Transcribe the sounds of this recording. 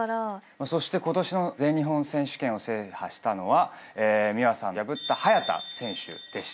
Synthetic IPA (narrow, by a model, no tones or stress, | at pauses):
ɾmaso̞ɕi̥t̪e̞ko̞t̪o̞ɕino̞zẽ̞ɲɲiɦõ̞ɰ̃sẽ̞ɰ̃ɕɨ̥kẽ̞ɰ̃o̞se̞ːhaɕi̥t̪ano̞βa | eːmʲiβasãnjabɯ̟t̪ːahajat̪a̰sẽ̞ɰ̃ɕɨ̰d̪̥e̞ɕi̥